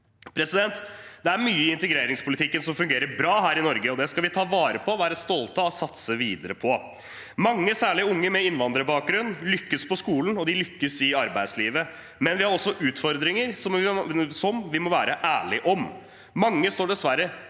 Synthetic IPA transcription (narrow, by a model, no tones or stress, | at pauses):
pʰɾɛsɪd̪ɛnt̪d̪̥ɛæɾmyːəɪɪnt̪ɛɡɾeːɾɪŋspʊlɪt̪ʰɪkːənsɔmfʉŋɡeːɾəɾbɾɑːɦæːɾɪnɔɾɡəɔd̪ɛskɑlʋɪt̪ʰɑːʋɑːɾəpʰɔɔʋæːɾəst̪ɔlt̪əɔsɑt̪səʋiːd̪əɾəpʰɔ | mɑŋːəsæːɭɪʊŋːəmɛɪnʋɑnd̪ɾəbɑːk̚ɡɾʉnːlʏkːəspʰɔskuːln̩ɔd̪ɪlʏkːəsɪɑɾbæɪd̪sliːʋə | mɛnʋɪhɑɾɔsːɔʔʉːt̪fɔɾd̪ɾɪŋəɾsɔmʋsɔmʋɪmɔʋæːɾəʔæːɭɪʔɔm | mɑŋːəst̪oːɖɛsʋæɾːə